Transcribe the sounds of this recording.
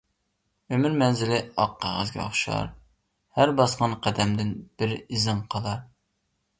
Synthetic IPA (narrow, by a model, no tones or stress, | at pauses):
ømyɾmɛnzɪlɪɑqʰːæʁə̰zɡʲɛ̰ɑ̰χʃˠɑ̰ɾ | hæɾbɑsqɑnqʰæd̪ɛmd̪ɪnb̥ɪɾizɨɴqʰɑlˠɑɾ